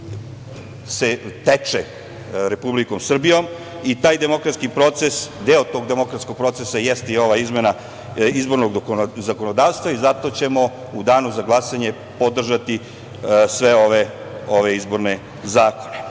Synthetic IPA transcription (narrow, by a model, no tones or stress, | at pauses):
set̪et͡ʂe | ɾe̞publiko̞msr̩bijo̞m | it̪aːjd̪e̞mo̞kɾat̪skipɾo̞t̪sesd̪eːot̪o̞ɡd̪emo̞kɾat̪skoɡ̚pɾo̞t̪sesajest̪io̞ʋaizmena | izbo̞ɾnoɡzako̞nod̪aːʋst̪ʋaizat̪ot͡ɕe̞mo̞ | ud̪aːnuzaɡlˠasaɲe̞ | po̞d̪r̩ʒat̪i | sʋeoʋe | oʋeizbo̞ɾne | zaːkone